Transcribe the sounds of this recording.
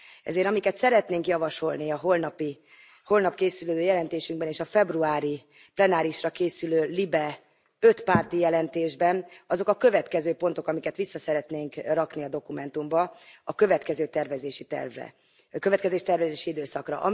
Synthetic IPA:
ɛ̰zeːɾɒmikɛt̪sɛɾɛt̪neːŋkjɒvɒʃo̞lniɒɦolnɒpi | ho̞lnɒpkeːsyløːd̪øːjɛlɛnt̪eːʃyŋɡbɛneːʃɒfɛbruaːɾi | plɛnaːɾiʃrɒkeːsyløːlibɛ | ø̞t̪paːrt̪ijɛlɛnt̪eːʒbɛnɒzo̞kɒkø̞vɛt̪kɛzøːpo̞nt̪o̞kɒmikɛt̪ʋisːɒsɛɾɛt̪neːŋkrɒkniɒd̪o̞kumɛnt̪umbɒɒkø̞vɛt̪kɛzøːt̪ɛrvɛzeːʃit̪ɛ̰rvrɛ̰ | køvɛt̪̚kɛzeːʃi̥t̪ɛrvɛzeːʃiid̪øːsɒkrɒ̰ʔɒ̰

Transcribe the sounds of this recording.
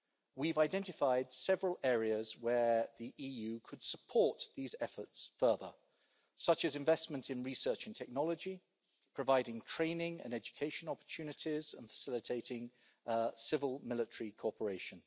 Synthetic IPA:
wivaɪdɛ̃ntɪfaɪd̥sɛvəɹəlˠɛːɹiəzwəðiʔiːjʉːkʰəd̥səpʰɔˑʔ̪ðizɛfə˞tsfɜːðə̰ | sʌt͡ʃəzɪ̃ɱvɛsmə̃ntʰɪ̃nɹisɜˑt͡ʃə̃ntʰɛk̚nɒlˠəd͡ʒi | pʰɹ̥əvaɪɾɪ̃ŋtʰɹ̥ẽɪ̃nɪ̃ŋə̰̃nɛd͡ʒɨkʰeɪʃə̃nɒpə̥˞tʰʉːnɪtʰɪzə̃nfə̥sɪlɪtʰeɪtɪ̃ŋ | sɪvəlˠmɪlɪtəɹikʰɔɹpəɹeɪʃə̃n

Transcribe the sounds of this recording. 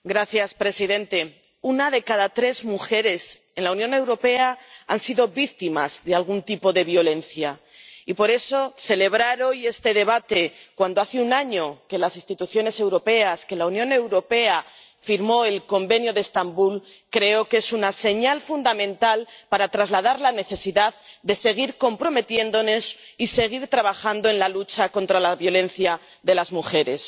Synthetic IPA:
ɡɾaθjaspɾe̞siðe̞nt̪e̞ | unaðe̞kaðat̪ɾe̞zmuxe̞ɾe̞s | e̞nlaunjõne̞wɾo̞pe̞aa̰nsiðo̞βik̚t̪imazðe̞alɣ̞unt̪ipo̞ðe̞βjo̞le̞nθja | ipo̞ɾe̞so̞θe̞le̞β̞ɾaɾo̞je̞st̪e̞ðe̞β̞at̪e̞kwand̪oaθeunaɲo̞ke̞lasĩnst̪it̪uθjo̞ne̞se̞wɾo̞pe̞aske̞launjõ̞ne̞wɾo̞pe̞a | fiɾmo̞e̞lko̞mbe̞njo̞ðeːst̪ambul | kɾe̞o̞ke̞sunase̞ɲalfund̪amẽnt̪alpaɾat̪ɾazlað̞aɾlane̞θe̞siðaðd̪e̞se̞ɣ̞iɾko̞mpɾo̞me̞t̪je̞nd̪o̞ne̞sise̞ɣ̞iɾt̪ɾaβ̞axand̪o̞e̞nlalut͡ʃako̞nt̪ɾalaβjo̞lẽ̞nθja | ðe̞lazmuxe̞ɾe̞s

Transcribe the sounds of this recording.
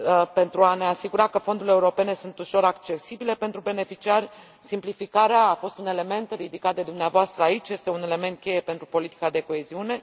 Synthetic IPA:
pe̞nt̪ɾuane̞asiɡuɾakəfo̞nd̪ule̞uɾo̞pe̞ne̞sunt̪uʃo̞ɾakt͡ʃe̞sibile̞pe̞nt̪ɾube̞ne̞fit͡ʃiarʲ | simplifikaɾeaːfo̞st̪une̞le̞me̞nt̪rid̪ikat̪̚d̪e̞d̪umneavoast̪ɾəait͡ʃʲje̞st̪e̞une̞le̞me̞nt̪̚kʲe̞je̞pe̞nt̪ɾupo̞lit̪i̥kad̪e̞ko̞e̞ziune̞

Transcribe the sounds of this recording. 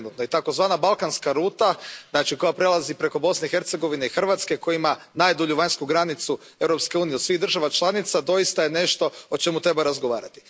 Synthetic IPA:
nut̪noit̪ako̞zʋaːnabalˠkanskaɾuːt̪aznaːt͡ʃiko̞japɾe̞lˠazipɾe̞ko̞bo̞sneixe̞ɾt̪se̞ɡo̞ʋine̞ixr̩ʋat̪ske̞kojiima | naːjd̪oʎuʋaɲskuɡɾanit̪su | e̞wɾo̞pske̞uːnijeosʋiɣd̪ɾr̩ʒaʋat͡ʃlˠanit̪sad̪o̞jist̪ajene̞ʃt̪o̞ot͡ʃe̞mut̪ɾe̞baɾazɡoʋaːɾat̪i̥

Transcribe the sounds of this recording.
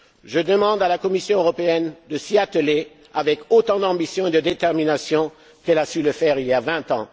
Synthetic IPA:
ʒəd̪əmɑ̃d̪alakɔmisjɔ̃øʁɔpeɛnd̪əsiat̪əle | avɛkot̪ɑ̃d̪ɑ̃bisjɔ̃ed̪əd̪et̪ɛʁminasjɔ̃ | kɛlasyləfɛʁiljavɛ̃t̪ɑ̰̃

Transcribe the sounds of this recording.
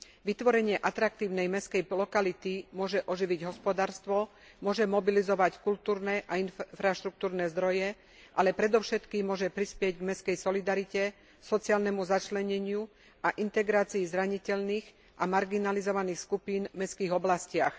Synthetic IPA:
ʋit̪ʋɔɾɛɲɪɛʔat̪ɾak̚t̪iːʊnɛjmɛskɛjlɔkalit̪imʊɔʒɛʔɔʒiʋiɟɦɔspɔd̪aːɾst̪ʋɔ | mʊɔʒɛmɔbilizɔʋackult̪uːɾnɛʔainfɾaʃt̪ɾuk̚t̪uːɾnɛzd̪ɾɔjɛ | ʔalɛpɾɛd̪ɔʊʃɛt̪kiːmːʊɔʒɛpɾispɪɛɟɡmɛskɛjsɔlid̪aɾicɛ | sɔt͡siaːlnɛmuzat͡ʃlɛɲɛɲɪu | aʔint̪ɛɡɾaːt͡siizɾaɲicɛʎniːɣ | ʔamaɾɡinalizɔʋaniːxskupiːnmɛskiːɣɔblascɪax

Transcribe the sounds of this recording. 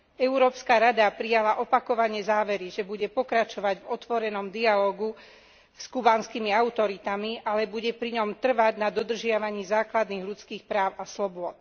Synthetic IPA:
ɛuɾɔːpskaɾad̪apɾijalaʔɔpakɔʋaɲɪɛzaːʋɛɾiʒɛbuɟɛpɔkɾat͡ʃɔʋaɟvɔt̪ʋɔɾɛnɔmd̪ialɔːɡu | skubaːnskimiaut̪ɔɾit̪amiʔalɛbuɟɛpɾiɲɔmt̪r̩ʋaɟnad̪ɔd̪r̩ʒɪaʋaɲiːzaːklad̪niːɣlut͡skiːxpɾaːʊaslɔbʊɔt̪

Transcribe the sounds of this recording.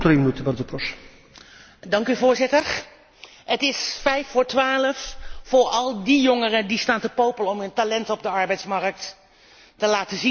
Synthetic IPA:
tɾɪmnutəbardəpɔs | dɑŋkyvʊːɹzɪtəɹ | ətɪsfɛjfʊːɹtʋaːləffʊːɹɑlˠdijɔŋərədistaːntəpowpəlɔmɦɵntalɛntɔb̚dəɑɹbɛjtsmɑɹk̚t | təlaːtəzin

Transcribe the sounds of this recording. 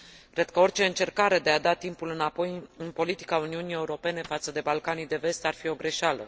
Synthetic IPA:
kɾe̞d̪̚kəo̞rʲt͡ʃe̞ɨnt͡ʃe̞rkaɾe̞d̪e̞ad̪at̪impulɨnapo̞jɨnpo̞lit̪i̥kauniunije̞uɾo̞pe̞ne̞fat̪səd̪e̞balkanid̪e̞ve̞st̪arfio̞ɡɾe̞ʃalə̰

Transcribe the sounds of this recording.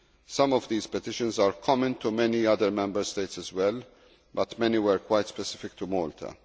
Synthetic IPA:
sɐ̃mɔvd̪iːzpɛt̪ɪʃə̃nzaːɾkʰɔmə̃nt̪umɛniɐd̪əɾmɛ̃mbəɾst̪eɪt̪sɛzwɛl | bɐt̪mɛniwɛɾkwajt̪spɛsɪ̥fɪk̚t̪umɔːlt̪ʰɐ̰

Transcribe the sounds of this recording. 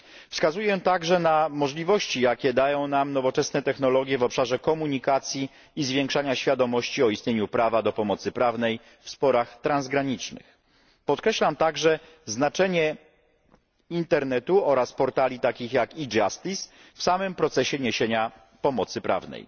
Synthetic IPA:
fskazujɛt̪aɡʐɛnamɔʐlʲivɔɕt͡ɕijakʲɛd̪ajɔ̃w̃namnɔvɔt͡ʂɛsnɛt̪ɛxnɔlɔɡʲjɛvɔpʂaʐɛkɔmuɲikat̪sʲjiː | zvʲjɛ̃ŋkʂaɲaɕfʲjad̪ɔmɔɕt͡ɕiɔist̪ɲeɲupɾavad̪ɔpɔmɔt̪sɘpɾavnɛj | fspɔɾaxt̪ɾanzɡɾaɲit͡ʂnɘ̰x | pɔt̪̚kɾɛɕlamt̪aɡʐɛ | znat͡ʂɛɲɛ | int̪ɛɾnɛt̪uɔɾaspɔɾt̪alʲit̪akʲixjakid͡ʐast̪is | fsamɘmpɾɔt̪sɛɕɛɲeɕeɲa | pɔmɔt̪sɘpɾa̰vnɛ̰j

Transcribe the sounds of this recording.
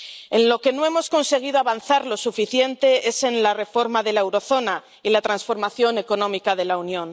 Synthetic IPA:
e̞nlo̞ke̞no̞e̞mo̞sko̞nse̞ɣ̞iðoaβanθaɾlo̞sufiθje̞nt̪e̞ese̞nlare̞fo̞ɾmaðe̞lae̞wɾo̞θo̞na | ilat̪ɾansfo̞ɾmaθjo̞ne̞ko̞nõ̞mikaðelaunjõ̞n

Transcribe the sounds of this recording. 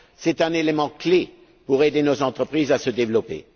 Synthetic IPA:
sɛt̪ɛ̃nelemɑ̃kle | puʁed̪enozɑ̃t̪χəpχizasəd̪evlɔpḛ

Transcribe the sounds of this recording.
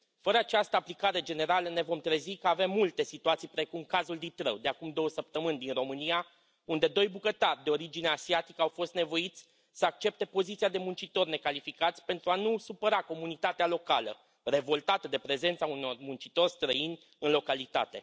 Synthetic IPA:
fəɾəat͡ʃast̪əaplikaɾe̞d͡ʒe̞ne̞ɾaləne̞vo̞mt̪ɾe̞zikəave̞mːult̪e̞sit̪uat̪sijpɾe̞kumkazuld̪it̪ɾə̰wd̪e̞akumd̪o̞wəsəp̚t̪əmɨnʲd̪inro̞mɨnia | und̪e̞d̪o̞jbukət̪arʲd̪e̞o̞ɾid͡ʒineasiat̪ikəawfo̞st̪nevo̞it̪sʲ | səak̚t͡ʃe̞p̚t̪e̞po̞zit̪siad̪e̞munt͡ʃit̪o̞rʲne̞kalifikat̪sʲpe̞nt̪ɾuanusupəɾako̞munit̪at̪ealo̞kalə̰ | re̞vo̞lt̪at̪əd̪e̞pɾe̞ze̞nt̪sauno̞rmunt͡ʃit̪o̞rʲst̪ɾəinʲ | ɨnlo̞kalit̪a̰t̪e̞

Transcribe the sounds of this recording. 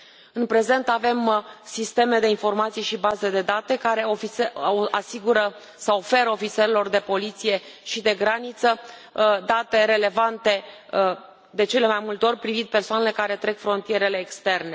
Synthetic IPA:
ɨnpɾe̞ze̞nt̪ave̞msist̪e̞me̞d̪e̞info̞rmat̪sijeʃibazed̪e̞d̪at̪e̞kaɾe̞ofiasiɡuɾə | saofe̞ɾəo̞fit̪seɾelo̞rd̪e̞po̞lit̪sije̞ʃid̪e̞ɡɾanit̪səd̪at̪e̞ɾe̞le̞vant̪e̞ | d̪e̞t͡ʃe̞le̞majmult̪eo̞rʲpɾivind̪̚pe̞rsoane̞le̞kaɾe̞t̪ɾe̞kfɾo̞nt̪ije̞ɾe̞le̞ːkst̪e̞rne̞

